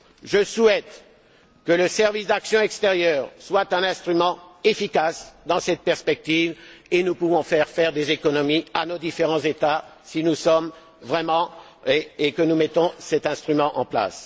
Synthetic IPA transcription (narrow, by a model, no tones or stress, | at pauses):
ʒəswɛt̪ | kələsɛʁvisd̪aksjɔ̃ɛkst̪eʁjœːʁswat̪ɛ̃nɛ̃st̪χymɑ̃efikasd̪ɑ̃sɛt̪̚pɛʁspɛk̚t̪ivenupuvɔ̃fɛʁfɛʁd̪ezekɔnɔmianod̪ifeʁɑ̃zet̪a | sinusɔm | vʁɛmɑ̃ | eːkənumɛt̪ɔ̃sɛt̪ɛ̃st̪χymɑ̃ʔɑ̰̃pla̰s